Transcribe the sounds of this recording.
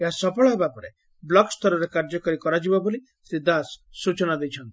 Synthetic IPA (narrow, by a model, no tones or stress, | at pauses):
eɦasɔpɔɭɔɦebapɔɾḛ | blɔkst̪ʰɔɾɔɾekaɾd͡ʒɔkɔɾikɔɾad͡ʒibaboli | sɾid̪asːut͡ʃɔnad̪ejt͡ʃʰɔnt̪ii